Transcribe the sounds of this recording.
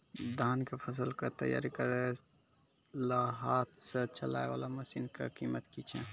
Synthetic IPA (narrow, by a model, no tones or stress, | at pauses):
d̪ʱaːnkepʰəs̬əlkat̪ə̰ja̰ːɾikəɾɛ | laɦat̪̚sẽt͡ʃəla̰ːeʋa̰laməsinkḛkimət̪kit͡ʃʰɛ̃